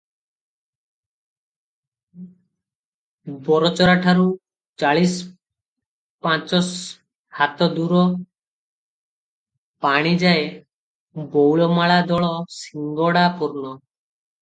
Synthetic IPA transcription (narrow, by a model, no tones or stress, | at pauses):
bɔɾɔt͡ʃɔɾaʈʰaɾu | t͡ʃaɭis | pãt͡ʃɔs | hat̪ɔd̪uɾɔ | paɽ̃id͡ʒae | bɔwɭɔmaɭad̪ɔɭɔsiŋɡɔɽapuɾnɔ